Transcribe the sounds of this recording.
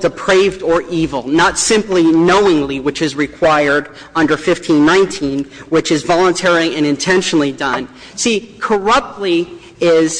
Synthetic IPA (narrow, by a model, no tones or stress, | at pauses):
d̥ɨpʰɹ̥eɪvdə˞ʔivl̩ˠnətsɪ̃mplinoʊɪ̃ŋliwɨt͡ʃɨzɹɨkʰw̥aɪə˞ɾ | ʌ̃ndə˞fɪftʰĩnːãɪ̃ntʰĩnwɨt͡ʃɨzvɑlˠə̃ntʰɛɹlˠiɨ̃ñɨ̃ntʰɛ̃nʃnl̩ˠidʌ̃n | sikʰə˞ʌp̚tˡli | ɪz̥